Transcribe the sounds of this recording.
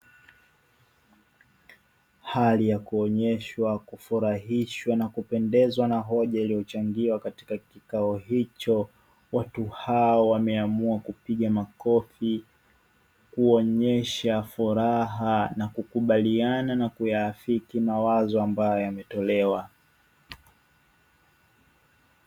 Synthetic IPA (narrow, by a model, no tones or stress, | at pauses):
halijakuɔɲɛʃwakufuɾaɦiʃwanakupɛndɛzwanaɦɔʄailijɔt͡ʃaŋɡiwakati̥kakikaɔhit͡ʃɔ | watuhaɔwamɛamuakupiɠamakɔfi | kuɔɲɛʃafuɾaɦanakukuɓaliananakujaːfikimawazɔambajɔjamɛtɔlɛwa